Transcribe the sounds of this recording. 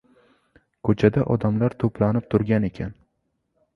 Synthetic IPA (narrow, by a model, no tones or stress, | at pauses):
kʰɵt͡ʃʰad̪aʔɒd̪amlaɾt̪ʰopʰlanɪp̚t̪ʰʊɾɡʲane̞kʲʰan